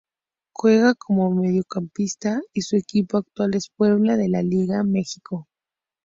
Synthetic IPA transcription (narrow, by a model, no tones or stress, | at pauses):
xweɣakʰo̞mome̞ðjokampist̪aisue̞kipoak̚t̪wale̞spwe̞βlaðe̞laliɣame̞xiko